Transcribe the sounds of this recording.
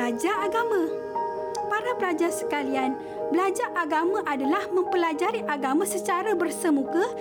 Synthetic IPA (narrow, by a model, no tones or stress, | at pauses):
ad͡ʒaaɡamã | paɾabəɾad͡ʒasə̥kalian | bəlad͡ʒaʔaɡamãʔadalahmə̃mpəlad͡ʒaɾiʔaɡamãsət͡ʃaɾabərsəmũkə